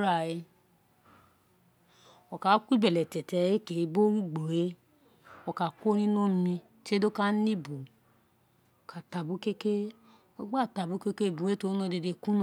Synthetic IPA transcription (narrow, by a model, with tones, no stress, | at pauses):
ɾa˦˨e˧ | ɔ˨ka˨˦kʷi˦bɛ˨lɛ˨tɛ˨tɛ˧˦e˦ke˨˦bo˦wu˦ɡ͡bo˨we˦ | ɔ˧˨ka˨kʷo˦nĩ˦nõ˦mĩ˧ | t͡ʃe˦do˦ka˦nĩ˦bu˨ | ɔ˨ka˨ta˨bu˨˦ke˦ke˦ | ɔ˨˦ɡ͡ba˦˨ta˨bu˨˦ke˦ke˦˨bu˨e˦to˧˦nõ˧˨de˧de˧ku˦n˦